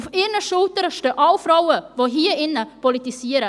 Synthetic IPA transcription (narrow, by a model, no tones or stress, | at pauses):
fɪɾnəʃʊltəɾʃtøːʔɑʊfɾawəvoɦiːəɪnːəpʰɔlit̪isiːɾə